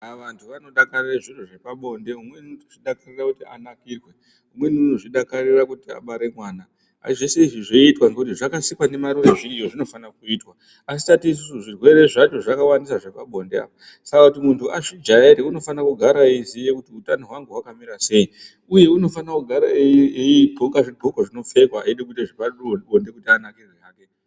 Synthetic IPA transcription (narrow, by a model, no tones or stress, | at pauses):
aʋantʰuʋano̞ɗakarireʐiruʐepaɓo̞nde̞ɦumwenoʐiɗakarirakutia̰nakiːrwe̞ | ɦumwe̞nunoʐiɗakarirakutia̰ɓaɾe̞mwaːna | a̰siʐese̞iʐiʐeitwaŋɡekutiʐakasikwane̞maɾuʋeʐiijoʐino̞fanak̚uiːtwa | asi̥tatiːs̬usuʐirwe̞re̞ʐat͡ʃo̞ʐakawandisaʐapaɓʱo̞ndea̰pa | sakakutimuntʰuaʐid͡ʒaeɾeuno̞fanakuɡʱaɾaizijekutiutanoɦwaŋɡeɦwakamiɾase̞ji | uje̞uno̞fanakuɡʱaɾa | bʱokaʐibʱokoʐino̞fe̞kwaaiɗek̬uteʐipaonde̞kutianakirweaːke